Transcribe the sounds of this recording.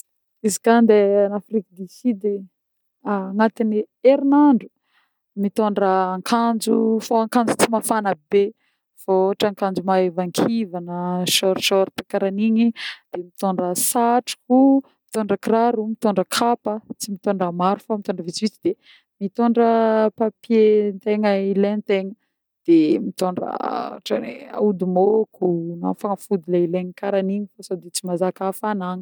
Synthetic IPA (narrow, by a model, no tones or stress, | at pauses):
izikand̪eanafrikd̪isid̪e | aŋat̪ini | eɾinaɳɖ͡ʐu̥ | mit̪oɳɖ͡ʐəːŋkʰand͡zṵfoaŋkand͡zut͡simafanəbe | fooʈ͡ʂaŋkand͡zumaevaŋkʰivanəʃɔɾʃɔɾt̪akaɾaniɲid̪̥emit̪oɳɖ͡ʐəsaʈ͡ʂi̥ku | mit̪oɳɖ͡ʐəkraɾumit̪oɳɖ͡ʐəkʰapət͡simit̪oɳɖ͡ʐəmaɾufamit̪oɳɖ͡ʐəvit͡sivit͡sid̪̥e | mit̪oɳɖ͡ʐəpapjent̪eŋəilent̪eŋə | d̪̥emit̪oɳɖ͡ʐə̰ʈ͡ʂanḛa̰ud̪umokunafaŋafud̪ulaileɲikaɾaniɲifasod̪it͡simazakafanaɲi̥